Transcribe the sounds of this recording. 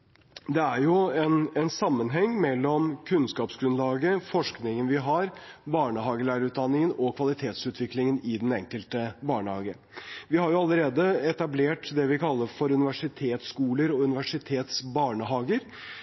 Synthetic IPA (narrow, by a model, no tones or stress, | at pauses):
d̪ɛæɾjʊɛnɛnsɑmːənɦɛŋːmɛlːɔmkʰʉnskɑːpsɡɾʉnlɑːɡəfɔʂknɪŋənʋɪɦɑɾbɑːɳəɦɑːɡəɭæːɾəʉːt̪̚d̪ɑnːɪŋənɔkʰʋɑlɪt̪ʰeːt̪sʉːt̪ʰʋɪklɪŋənɪd̪ɛnɛŋkəlt̪əbɑːɳəhɑːɡə | ʋɪhɑɾjʊɑləɾeːd̪əɛt̪ɑbleːʈd̪ɛʋɪkɑlːəɾfɔɾʉnɪʋæʂɪt̪ʰeːt̪skuːləɾɔʉnɪʋæʂɪt̪ʰeːt̪sbɑːɳəɦɑːɡəɾ